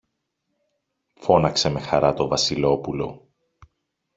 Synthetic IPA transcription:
fo̞nɐkse̞me̞xɐɾɐt̪o̞vɐsilo̞pulo̞

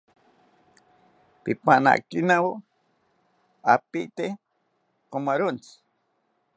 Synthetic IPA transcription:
pipana̰kinawo | a̰piʔt̪e | komaɾont͡s

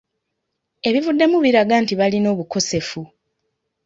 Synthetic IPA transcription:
e̞βivudːe̞muβiɾaɡaːntiβalino̞ːβuko̞se̞fu

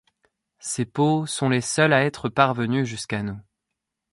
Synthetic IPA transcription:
seposɔ̃lesœlaɛt̪χəpaʁvənyʒyskanu

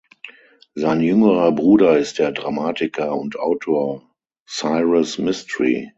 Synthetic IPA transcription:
zaɪnjʏŋəʁɐbʁuːdɐɪst̚d̥eːɐdʁamaːtɪkʰɐʊntʔaʊtʰoːɐ | saɪʁasmɪstəʁḭ

